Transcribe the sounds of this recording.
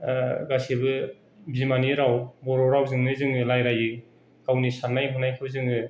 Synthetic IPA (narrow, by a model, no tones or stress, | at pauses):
ɡasibɯ | bzimaniɾawbɔɾɔɾawzɯŋnɯzɯŋɯlajɾajɯ | kawnisanːajɦunajkʰɯbɐzɯŋɯ